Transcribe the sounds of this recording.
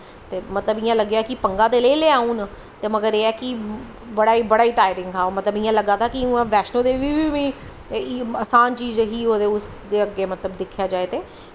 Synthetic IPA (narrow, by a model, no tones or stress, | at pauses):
t̪eːmət̪ləbɪjãləɡjaːkɪpəŋɡãːd̪eːləileːãːũːn | t̪eːməɡəɾeːɛːki | bəɽaːiːbəɽaːiːʈaːɪɾɪŋɡaːoːmət̪ləbɪjãːləɡaːt̪aːkiʊãːʋɛːʃnõːd̪eːʋiːʋiːʋĩː | əsaːnt͡ʃiːzɦiːɦoːd̪eːʊsd̪eːəɡːeːmət̪ləbd̪ɪkʰjaːd͡ʒaːeːt̪eː